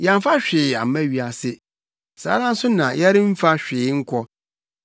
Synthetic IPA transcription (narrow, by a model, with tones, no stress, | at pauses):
ja˨m˦fa˦ɕᶣɪ˨a̰˨mæ̃˦ɥi˨a˨sɪ˦ | sa̰ː˨˦ɾã˦n̩˦sʊ˦nã˨jɛ˦ɾɪ˦m̩˦fa˦ɕᶣɪː˨˦ŋ̩˦kʰɔ˦